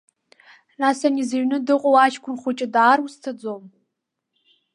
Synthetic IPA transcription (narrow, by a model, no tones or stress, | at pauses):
nasanizeɥnɨdɨqʼowaʃkʷʰʊnχʷʊt͡ʃʼɪdaːrustʰad͡zom